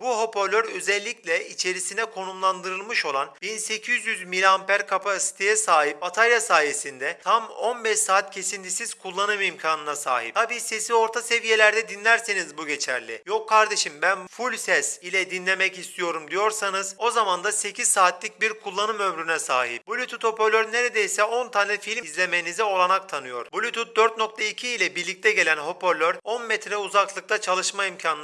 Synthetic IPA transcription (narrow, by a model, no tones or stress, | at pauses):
buɦo̞pʰo̞lʲːøɾøzɛlʲːiclʲɛit͡ʃʰe̞ɾisinɛkʰo̞numlˠand̪ɯɾɯlˠmɯʃo̞lˠanbinse̞cʰizjyzmilʲampæɾkʰapasi̥t̪ʰe̞jɛsaːɦip̚bat̪ʰalʲjasaːjesind̪ɛt̪ʰamo̞nbɛʃsaːt̪̚cʰe̞sint̪ʰisiz̥kʰulˠːanɯmimcʰaːnɯnasa̰ːɦḭp̚t̪ʰabiːse̞sio̞ɾt̪ʰase̞vije̞lʲæɾd̪ɛd̪inlʲæɾsenizbuɟe̞t͡ʃʰæ̰ɾlʲijo̞kʰːaɾd̪e̞ʃimbænfulʲsɛsilʲɛd̪inlʲe̞mɛcist̪ʰijo̞ɾumd̪ijo̞ɾsanɯzo̞zamand̪ase̞cʰiz̥saːt̪lʲic̚biɾkʰulˠːanɯmø̞mɾynɛsa̰ːɦip̚bulʲyt̪ʰut̪ho̞po̞ɾlʲøɾne̞ɾed̪ejsɛo̞nt̪ʰaːnʲɛfilʲmizlʲe̞me̞jnizɛo̞lˠanak̚t̪ʰanɯjo̞̰ɾ̥bulʲyt̪ʰut̪̚d̪øɾt̪no̞k̚t̪ʰaicʰiːlʲɛbiɾlʲic̚t̪ʰɛɟe̞lʲænɦo̞pʰoɾlʲøɾo̞nmɛt̪ɾɛuzaklˠɯk̚t̪ʰat͡ʃʰalˠɯʃmaimcʰan